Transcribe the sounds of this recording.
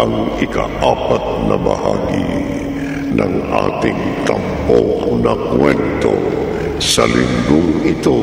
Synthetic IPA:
aŋɪkaʔapat̪̚nɐbahaɡi | nʔaŋat̪ɪŋt̪amponakwɛnt̪o | salɪŋɡʊŋit̪o

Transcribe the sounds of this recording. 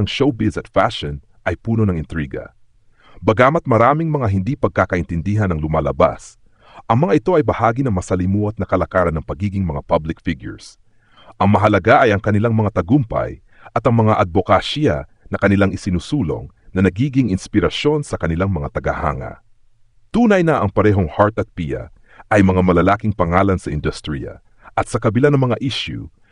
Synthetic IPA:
ɐŋʃowbɪlsɐt̪faʃon | ʔɐjpuːno̞nɐŋɪnt̪ɾiːɡɐ̰ | bɐɡaːmɐt̪̚mɐɾaːmɪŋmɐŋaɦɪnd̪ipɐɡ̚kaːkɐʔɪnt̪ɪnd̪iɦɐnɐŋlʊmaːlɐba̰s | ʔɐŋmɐŋaʔɪt̪o̞ʔɐjbɐhaːɡinɐŋmɐsɐlimuʔɐt̪̚nɐkɐlɐkaːɾɐnːɐŋpɐɡiːɡɪŋmɐŋapablɪkfɪɡjʊ̰ɹs | ʔɐŋmɐɦɐlɐɡaʔɐjɐŋkɐnɪlaŋmɐŋat̪ɐɡʊmpɐ̰j | ʔɐt̪ɐŋmɐŋaʔɐd̪̚bokaʃjɐ̰ | nɐkɐnɪlaŋɪsɪnusuːlo̞̰ŋnɐnɐɡiːɡɪŋɪnspɪɾɐʃjo̞nsɐkɐnɪlaŋmɐŋat̪ɐɡɐha̰ːŋɐ̰ | t̪uːnɐjnɐʔɐŋpɐɾɛɦo̞ŋhaɹt̪ɐt̪̚piɐ̰ | ʔɐjmɐŋamɐlɐlaːkɪŋpɐŋaːlɐnsɐʔɪ̰nd̪ʊst̪ɾḭjɐ̰ | ʔɐt̪̚sɐkɐbɪlanɐŋmɐŋaʔiʃjṵ

